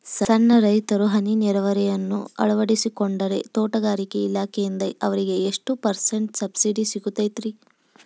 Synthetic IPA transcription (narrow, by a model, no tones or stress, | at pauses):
sɐsɐnːɐɾɐjt̪ɐɾuɦɐniniɾɐʋɐɾɛjɐnːṵɐ̰ɭɐʋɐɽisikoɳɖɐɾe̞t̪oːʈɐɡaːɾikeilaːkʰejind̪ɐʔɐʋɐɾiɡe̞eʂʈupɐɾseɳʈsɐbsiɖisiɡut̪ɐjt̪ɾi